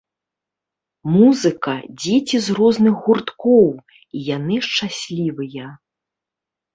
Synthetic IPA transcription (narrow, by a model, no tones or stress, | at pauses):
muzɨkɐd͡zʲet͡sʲizrɔznɨxɣurt̪kɔw | ijanɨʂt͡ʂasʲlʲivɨjɐ